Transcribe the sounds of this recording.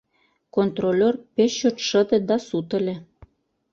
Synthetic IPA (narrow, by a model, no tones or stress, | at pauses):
kont̪rolʲorpeɕot̪ʃə̆d̪ĕd̪ɑsut̪ə̆lʲĕ